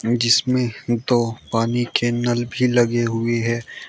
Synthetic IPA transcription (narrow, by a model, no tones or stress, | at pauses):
d͡ʒɪsmẽd̪oːpaːnikenɐlbʱilɐɡeɦʊeɦɛ̃ː